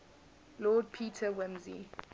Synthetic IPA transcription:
lɔːd̚pʰiːtʰəwɪ̃mzḭ

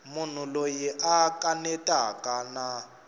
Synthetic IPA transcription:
mun̤ulojiʔakʼanɛtʼakʼana

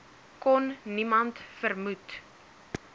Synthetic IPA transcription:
kɔnːimɐntfərmut

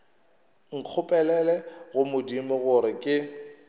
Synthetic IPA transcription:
ŋ̩q͡χʰʊpʼɛlɛlɛɣʊmʊdimɪɣʊɾɪkʼɪ

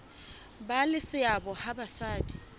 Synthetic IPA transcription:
balɪsɪabɔhabasaːdʼi̥

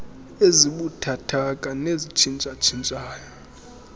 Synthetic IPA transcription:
eziɓutʰatʰakʼanezit͡ʃʰint͡ʃʼat͡ʃʰint͡ʃʼaːjɔ

